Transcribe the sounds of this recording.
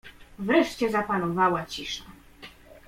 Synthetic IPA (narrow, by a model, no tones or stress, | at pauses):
vɾɛʂt͡ɕɛzapanɔvawat͡ɕiʂna